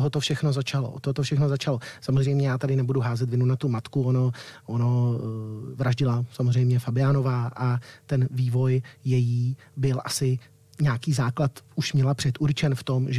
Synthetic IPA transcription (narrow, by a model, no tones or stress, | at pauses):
t̪oɦot̪ofʃɛxno̞zat͡ʃalo̞̰t̪oɦot̪ofʃɛxnozat͡ʃalo̞samozrɛjmɲɛjaːt̪adɪnɛbuduɦaːzɛt̪vɪnunat̪umat̪kuonoʔono | vɾaʒɟɪlasamozrɛjmɲɛfabɪano̞vaːʔat̪ɛnviːvo̞jjɛjiː | bɪlʔasɪ | ɲaːkiːzaːklat̪uʃmɲɛlapr̥ɛt̪ʔuɾt͡ʃɛnft̪o̞mʒ